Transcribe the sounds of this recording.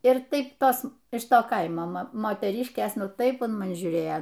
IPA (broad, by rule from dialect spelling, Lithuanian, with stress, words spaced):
ɪr ˈtɐɪp ˈtoːs ɪʃ ˈtoː ˈkɐɪmoː ˈmoː moːtʲɛˈrʲiːʃʲkʲeːs ˈnʊ ˈtɐɪp ʊn mɐˈnʲɪ ʒʲuːˈrʲeːjoː